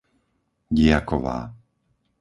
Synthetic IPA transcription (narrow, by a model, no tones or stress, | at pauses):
ɟɪakɔʋa̰ː